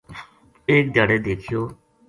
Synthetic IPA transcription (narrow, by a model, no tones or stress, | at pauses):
eːk̚d̪jaːɽeːd̪eːkʰɪjoː